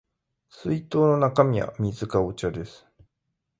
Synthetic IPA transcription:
sɨit̪o̞ːno̞nakamʲia̰mʲizɨkaot͡ɕad̪e̞sɨ̥

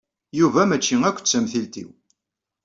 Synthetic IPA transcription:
juvæmæt͡ʃːiŋækʷːt͡sːæmθilt̪ḭw

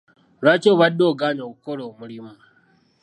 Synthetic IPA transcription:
ɾat͡ʃobadoɡaːnakoɽomʊɽima

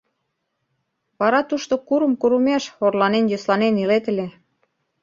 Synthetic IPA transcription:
βɑɾɑt̪uʃt̪okuɾə̆mkuɾumeʃorlɑnenjoslɑnenilet̪ə̆lʲe

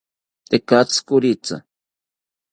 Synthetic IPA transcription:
t̪ekat͡skʊɾit͡sa̰

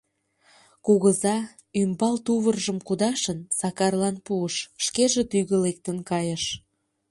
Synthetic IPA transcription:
kuɣəzɑ | ymbɑlt̪uβərʒəmkud̪ɑʃənsɑkɑrlɑnpuəʃʃkeʒet̪yɣə̆lek̚t̪ənkɑjəʃ

